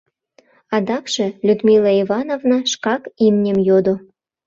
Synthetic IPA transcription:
ɑd̪ɑkʃĕlʲud̪milɑivɑnovnɑʃkɑkimnʲemjod̪o

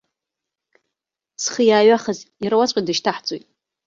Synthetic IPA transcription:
sχəjaːɥaχaziɾawat͡sʷʼidɨʃtʰaħt͡sʼojtʼ

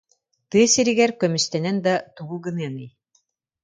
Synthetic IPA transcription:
t̪ɯːsiɾiɡɛɾkœmyst̪ɛnɛnd̪at̪uɡuɡɯnɯɛnɯj

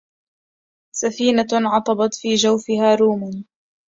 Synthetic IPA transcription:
safiːnaʕɑt̪ˤɑbɑt̪fiːd͡ʒawfɪhaːɾuːman

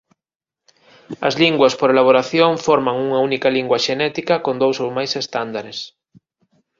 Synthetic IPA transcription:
ɐ̰zliŋɡwɐspoɾelaβoɾaθjoŋfɔɾmaŋuŋɐunikɐliŋɡwɐʃenɛt̪ikɐkond̪owsowmajsest̪and̪aɾes

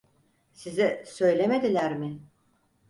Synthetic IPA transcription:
sizisø̞jlʲe̞me̞d̪ilʲæɾmɪ

